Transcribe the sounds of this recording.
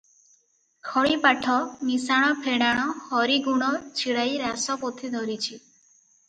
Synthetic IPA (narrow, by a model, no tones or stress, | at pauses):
kʰɔɭipaʈʰɔmisaɽ̃ɔpʰeɽ̃aɽ̃ɔhɔɾiɡuɽ̃ɔt͡ʃʰiɽajɾasɔpot̪ʰid̪ʱɔɾit͡ʃʰi